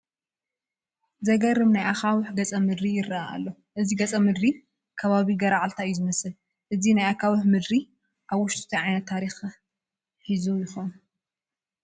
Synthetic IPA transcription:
zɐɡɐɾɨmnajʔakawɨħɡɐt͡sʼɐmɨd̪ɾijɪrːɐaa̰lːo | ʔɨziɡɐt͡sʼɐmɨd̪ɾi | kʰɐβaβiɡɐɾaʕalt̪ʰaɨjːuzɨmɐsɨl | ʔɨzinajakʰawɨħmɨd̪ɾi | ʔaβwʊʃt̪ʼut̪ʰɐʕajnɐt̪ʰːaɾix | ħizujɪxon

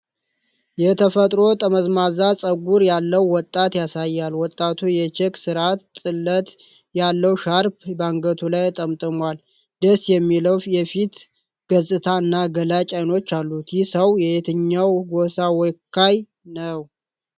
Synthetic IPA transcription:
jɛt̪ʰəfət̪ʼɾo̞t̪ʼəməzmazasʼəɡuɾjalːəwːɔt̪ʼːat̪jasajːalwɔt̪ʼːat̪ʰujɛt͡ʃɛksɨɾat̪t̪ʼːɨlːət̪ | jalːəwʃaɾbbaŋɡət̪ʰulajt̪ʼəmt̪ʼɨmwal | d̪əsjɛmːiləwfjɛfit̪ | ɡ̥əzʼɨt̪ʰaɨnːaɡəlat͡ʃʼajno̞t͡ʃːalːut̪ʰjɪsəwjɛhet̪ʰɨɲːawɡosawɔjkʰːaj | nəw

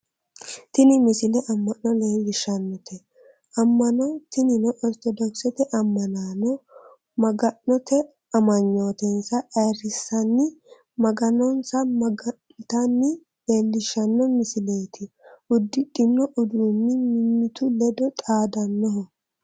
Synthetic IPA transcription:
t̪ɪnɪmɪsɪlɛʔɐmːɐnːɔleːlːɪʃɐnːɔt̪ʰɛ | ʔɐmːɐnɔt̪ɪnɪnɔʔɔlt̪ɔd̪ɔksɛt̪ɛʔɐmːɐnaːnɔ | mɐɡɐnːɔt̪ɛ | ɐmɐɲːoːt̪ɛnsɐʔɐɾɪsɐnːɪ | mɐɡɐnɔnsɐmɐɡɐ | t̪ɐnːɪ | leːlːɪʃɐnːɔmɪsɪlejt̪ʰɪ | ʊd̪ːɪdʼɪnːɔʔʊd̪ɾʊnːɪmɪmːɪt̪ʊlɛd̪ɔt̪ʼaːd̪ɐnːɔɦɔ

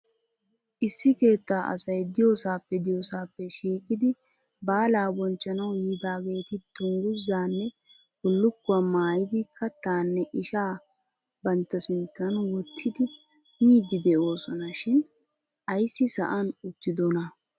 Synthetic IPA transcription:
ʔɪsːɪke̞ːt̪ːaːʔɐ̰sɐjd̪ɪjoːsaːpːɛd̪ɪjoːsaːpːɛʃiːkʼɪd̪ɪ | baːlaːbɔnt͡ʃːɐnɐwjiːd̪aːɡe̞ːt̪ɪt̪ʊŋɡʊzːaːnːɛ | bʊlːʊkːʊwamaːjɪd̪ɪkʰːɐt̪aːnːɛʔɪʃaː | bɐnt̪ːɐsɪnt̪ːɐnwɔt̪ʰːɪd̪ɪ | miːd̪ɪd̪ɛʔo̞ːsɔnɐʃɪn | ʔɐjsːɪsɐ̰ʔɐnʊt̪ːɪd̪ɔnɐ

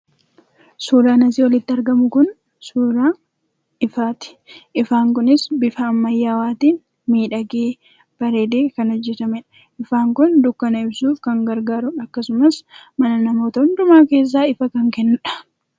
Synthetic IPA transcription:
suːɾaːnɐsiwɔlɪt̪ːɪɐɾɡɐmʊkʊn | suːɾaː | ʔɪfaːt̪ɪ̥ | ʔɪfaːŋkʊnɪsbɪfɐːmːɐjːaːwaːt̪iːn | miːᶑɐɡeː | b̥ɐɾe̞ːd̪eːkɐnhɔd͡ʒːɛt̪ɐmɛᶑɐ̥ | ʔɪfaːŋkʊnd̪ʊkːɐnɐɪbsuːfkɐŋɡɐɾɡaːɾʊɐkːɐsʊmɐsmɐnɐnɐmo̞ːt̪ɐʊnd̪ʊmaːke̞ːs̬ːaːɪfɐkɐŋkɛnːʊᶑɐ̥

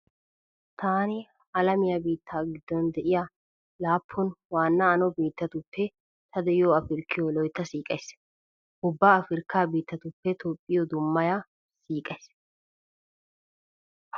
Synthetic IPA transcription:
t̪ʰaːnɪ | ɐlɐmɪjɐbiːt̪ʰːaːɡɪd̪ːɔnd̪ɛʔɪja | laːpʰːɔnwaːnːɐːnɔbiːt̪ːɐt̪ʊpʰːɛ | t̪ʰɐd̪ɛjɪoɐfɪɾkːɪjɔlɔjt̪ːɐsiːkʼɐjs | ʔʊbːaːɐfɪɾkːaːbiːt̪ːɐt̪ʊpːɛt̪oːpʼːɪjɔd̪ʊmːɐja | siːkʼɐjs

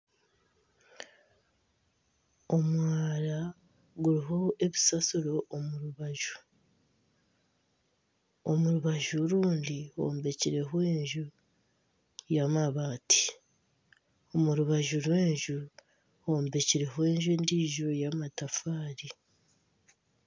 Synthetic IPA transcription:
o̞mwaːɾa | ɡuɾiɦo̞e̞βisasuɾo̞ʔomuɾuβaʒu̥ | o̞muɾuβaʒuɾuːndiho̞̰ːmbe̞ciɾe̞ɦoeːɲʒu | jamaβaːti̥ | omuɾuβaʒuɾwe̞ːɲʒu | ho̞ːmbe̞ciɾe̞ɦowe̞ːɲʒundiːʒojamatafaːɾi

